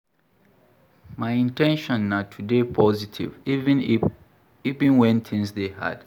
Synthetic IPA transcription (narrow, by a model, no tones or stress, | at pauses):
maɪĩntʰɛ̃nʃɔ̃nːatʰudepʰɔzitʰḭvi | ivĩnwɛ̃nt̪ʰɪ̃ŋsdeha̰d̥